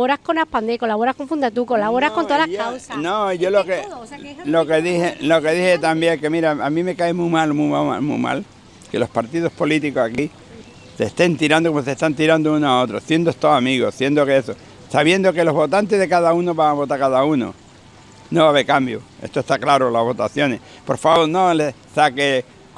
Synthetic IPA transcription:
oɾahkonapand̪ekolaβoɾahkoɱfund̪at̪ukolaβoɾahkont̪oðalasnõʝolokelo̞keðihelo̞ke̞ðihet̪ambjeŋkemiɾaamĩme̞kaemumalmumaa̰mṵma̰l | ke̞lo̞hpaɾt̪iðo̞hpo̞lit̪iko̞saki | se̞st̪e̞nt̪iɾand̪okomos̬eht̪ant̪iɾand̪ounoao̞t̪ɾoθje̞nd̪oest̪oamiɣo̞θje̞nd̪okeso | saβje̞nd̪o̞ke̞lo̞ɦβo̞t̪ant̪eɦðe̞kaðaunoβaŋaβo̞t̪aɾkaðauno̰ | noβaβe̞ɾkambjoe̞̰st̪oest̪aklaɾolaβo̞t̪aθjo̞ne̞s | po̞ɾfaβo̞ɾnole | sake

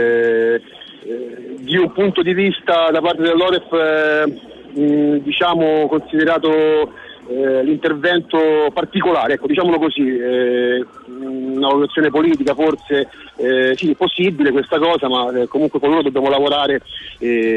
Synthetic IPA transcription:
d̪iumpunt̪od̪ivist̪ad̪apart̪ed̪elːɔːɾɛf | d̪it͡ʃaːmokonsid̪eɾaːt̪̬o | lint̪ervɛnt̪opart̪ikolaːɾeɛkːod̪it͡ʃaːmolokozi | unavalut̪at̪sjoːnepoliːt̪̬ikafort̪se | siposːibilekwest̪akɔːzamakːomuŋkwefolːoːɾod̪objaːmolavoɾaːɾe

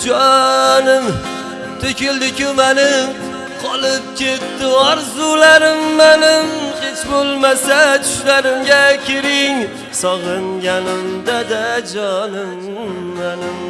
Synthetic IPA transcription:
d͡ʒɒnɪm | t̪ʰokʰʲeld̪ɪkʲʊmanɪ | qʰɒlˠɪp̚kʲe̞t̪ːɪɒɾzulaɾɪmːanɪmhe̞t͡ʃbolˠmasat͡ʃʰʊ̥ʃlaɾɪmɡʲakʲʰeɾɪŋ | sɒʁɨŋɡʲanɪmd̪ad̪ad͡ʒɒnɪmː | anɪm

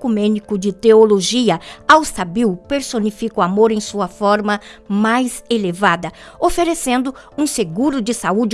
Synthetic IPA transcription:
kumɛ̃nikʊd͡ʒɪt̪eoloʒiɐawsabiwpeɾsonifikʊamoɾẽj̃suɐfɔɾmɐmajzelevad̪ɐ | ofeɾesẽnd̪ʊ | ũseɡuɾʊd͡ʒɪsaud͡ʒɪ

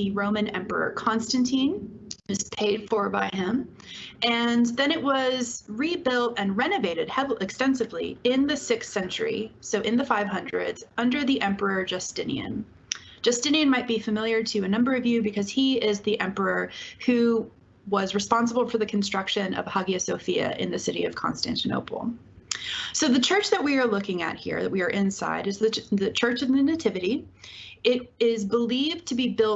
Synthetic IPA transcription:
ðɨɹõʊ̃mɨ̃nɛ̃mpə̰˞ə̰˞kʰɑ̃nstɨ̃ntʰĩnʌz̥pʰeɪd̥fə˞baɪɪ̃m | ɨ̃nðɨ̃ñɨʔ̚wʌzɹibɪlˠtɨ̃nɹɛnɨveɪɾɨd̚hɛvɨkstɛ̃nsɨvlḭɪ̃nðɨsɪkssɛ̃nt͡ʃə̰˞ḭsoʊʔɨ̃nðɨfaɪv̥hʌ̃ndɹɨ̰dz̥ʌ̃ndə˞ðiʔɛ̃mpə˞ə˞d͡ʒɨstɪ̃nḭɨ̰̃n | d͡ʒ̥ɨstɪ̃niɨ̃nmaɪt̚b̥ifɨmɪlˠjə˞ɾɨɨnʌ̃mbə˞ʌvjʉbɨkʰʌz̥iɪzðiʔɛ̃mpə˞ə˞hʉ | wʌzɹɨspɑ̃ns̬əbl̩ˠfə˞ðɨkʰn̩stɹ̥ʌkʃɨ̃nʌ̰v̥hʌɡiɨsoʊfiɨ̰ʔɪ̰̃nðɨsɪɾiʌv̥kʰɑ̰̃nstæ̰̃ntɨno̰ʊpʰl̩ˠ | soʊðɨt͡ʃʰɜ˞t͡ʃðɨʔ̚wiə˞lʊkɪ̃ŋɨ̰t̚hḭɹðɨʔ̚wiə˞ʔɪ̃nsa̰ɪɾɨzðɨðɨt͡ʃʰɜ˞t͡ʃʌvðɨnɨtʰɪvɨɾi | ɪɾ̚ɪzbəlivtʰɨbibɪlˠ

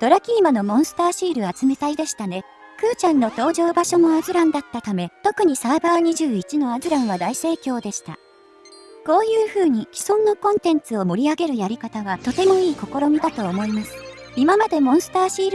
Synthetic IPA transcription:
d̪̥o̞ɾakʲiːmano̞mõ̞ɰ̃sɨ̥t̪aːɕiːɾɯ̟at͡sɨme̞t̪aid̪e̞ɕi̥t̪ane̞ | kɯ̟ːt͡ɕãnːo̞t̪o̞ːʑo̞ːbaɕo̞mo̞azɨɾãnd̪at̪ːat̪ame̞t̪o̞kɯ̟ɲ̟isaːbaːɲ̟iʑɨːit͡ɕino̞azɨɾãɰ̃β̞ad̪aise̞ːkʲo̞ːd̪e̞ɕi̥t̪a̰ | ko̞ːjɯ̟ːɸɯ̟ːɲ̟ikʲi̥sõnːokõnt̪ẽ̞nt͡sɨo̞mo̞ɾʲiaɡe̞ɾɯ̟jaɾʲikat̪aɡat̪o̞t̪e̞mo̞iːko̞ko̞ɾo̞mʲid̪at̪o̞ːmo̞imasɨ̥ | imamad̪e̞mõ̞ɰ̃sɨ̥t̪aːɕiːɾɯ

